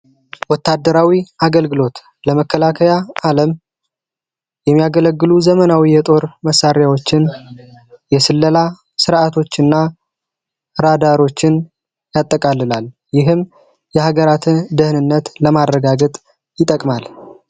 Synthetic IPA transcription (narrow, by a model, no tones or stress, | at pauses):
wɔt̪ːad̪ːəɾawiʔaɡəlɡɨlo̞t̪ | ləməkʰːəlakʰəjaaləm | jɛmːijaɡələɡːɨluzəmənawijɛt̪ʼo̞ɾməsːaɾjawot͡ʃːɪn | jɛsɨlːəla | sɨɾʔat̪ʰo̞t͡ʃːɨnːa | ɨɾad̪aɾo̞t͡ʃːɪn | jat̪ʼːəkʼalːɨlal | jɪɦɨm | jɛhaɡəɾat̪ʰɨnd̪ɨhnɨnːət̪ləmarːəɡaɡət̪ʼ | jɪt̪ʼəkʼmal